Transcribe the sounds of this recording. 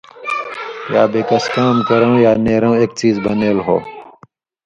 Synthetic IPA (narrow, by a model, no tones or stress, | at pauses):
jaːbeːkɐskaːmkɐɾɐũjaːneːɾɐw̃eːk̚t͡ɕiːzbɐneːlɦo̰ː